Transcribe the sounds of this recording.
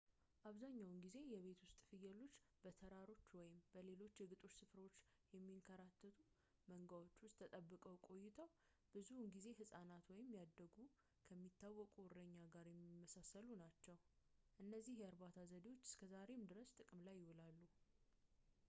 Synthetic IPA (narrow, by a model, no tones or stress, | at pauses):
ʔaβzaɲːawnɡize̞jɛβe̞t̪wʊst̪ʼfɨjːɛlːo̞t͡ʃːbət̪ʰəɾaɾo̞t͡ʃːwɔjɪmbəle̞lo̞t͡ʃːjɛɡɨt̪ʼo̞t͡ʃːsɨfɾo̞t͡ʃːjɛmːiŋkʰəɾat̪ʰːət̪ʰu | məŋɡawo̞t͡ʃːwʊst̪ʰːət̪ʼəbːɨkʼəwkʼo̞jːɪt̪ʰəw | b̥ɨzunɡize̞ɦɨsʼanat̪wɔjɪmːjad̪ːəɡu | kʰəmːit̪ʰːawːɔkʼurəɲːaɡaɾjɛmːimːəsasəlunat͡ʃːɛwʔɨnːəzːihjɛaɾbat̪ʰazəd̪iwo̞t͡ʃːɨ̥skʰəzaɾe̞md̪ɨɾəst̪ʼɨkʼɨmlajːɪwʊlalːu